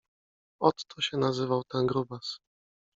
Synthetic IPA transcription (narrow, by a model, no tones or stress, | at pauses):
ɔt̪ːɔɕɛnazɘvawt̪ɛnɡɾubas